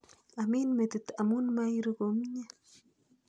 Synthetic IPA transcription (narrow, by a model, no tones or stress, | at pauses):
aminmet̪it̪amunmajɾukomɲa